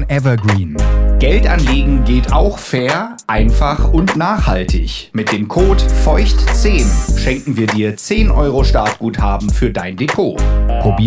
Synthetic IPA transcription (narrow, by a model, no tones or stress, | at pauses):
ɛvɐɡʁiːnɡ̥ɛltʔanleːɡŋ̩ɡeːtaʊxfɛːɐ | ʔaɪnfaχʊntnaːχhaltɪ̰ç | mɪt̚d̥eːmkʰoːtfɔʏçtt͡seːnʃɛŋkŋ̩viːɐdiːɐt͡seːnʔɔʏʁoʃtaɐt̚ɡ̥uːthaːbm̩fyːɐdaɪndepʰoːpʁ̥obiː